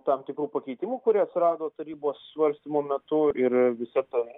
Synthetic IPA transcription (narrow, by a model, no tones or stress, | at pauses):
t̪ɐmt̪ʲɪkɾuːpɐkʲɛɪt̪ʲɪmuːkʊɾʲiɛɐt̪ʲsʲɪɾɑːd̪oːt̪ɐɾʲiːboːsːʋɐɾʲsʲt̪ʲimoːmʲɛt̪ʊɪɾʋʲɪsʲɐt̪ɐ